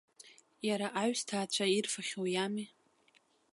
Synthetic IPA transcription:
jaɾaʔaɥstʰaːt͡ɕʷʰairfaχʲojami

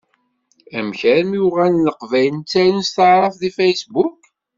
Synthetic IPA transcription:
æmçæɾmjuʁænːəqvæjənt͡sːæɾənst̪əʕɾˤɑfðifæjsbuk

